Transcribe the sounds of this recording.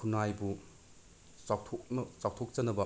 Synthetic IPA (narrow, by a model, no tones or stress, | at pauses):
kʰunajbu | atʰoknt͡ʃaw̚tʰok̚t͡ʃɐnɐbɐ